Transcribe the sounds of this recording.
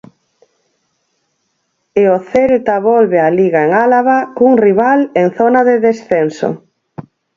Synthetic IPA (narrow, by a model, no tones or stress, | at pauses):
eoθeɾt̪aβɔlβealiɣaeŋalaβakuŋriβaleŋθɔnaðeðesθenso̰